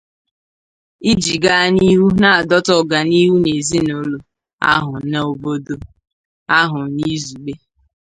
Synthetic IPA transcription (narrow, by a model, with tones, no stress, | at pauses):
i˦d͡ʒi˨ɡa˦ni˦ɦu˦na˦a˨dɔ˦tɔ˦˨ɡa˨ni˦ɦu˦ne˨zi˦no˦lo˨ | a̰˦ɦʊ˨˦na˦o˨bo˦do˦ | a˦ɦʊ˨ni˦zu˨ɡ͡be˦